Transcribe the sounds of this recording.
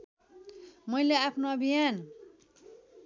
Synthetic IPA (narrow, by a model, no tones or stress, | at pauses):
mʌileapʰnoʌbʱijan